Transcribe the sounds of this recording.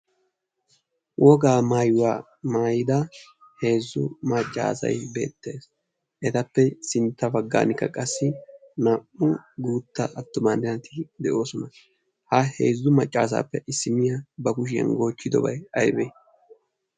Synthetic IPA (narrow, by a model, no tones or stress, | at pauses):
wʔɔɡaːmaːjʊwaː | maːjɪd̪ɐ | he̞ːzːʊ̰mɐt͡ʃʼːa̰ːsɐ̰jbe̞̰ːt̪ːe̞ːs | ʔɛt̪ɐpːɛsɪnt̪ːɐbɐɡːa̰ːnɪkːɐkʼɐsːɪ | nɐʔʊɡuːt̪ːɐ̰ʔɐt̪ːʊmaːnɪnɐt̪ʰɪd̪ɛʔo̞ːsɔnɐ | hɐhḛːzːʊmɐt͡ʃʼːaːs̬a̰ːpːɛʔɪsːɪmɪjɐbɐkʊʃ̬ɪɐ̰nɡo̞ːt͡ʃːɪd̪ɔbɐ̰jɐjbɛ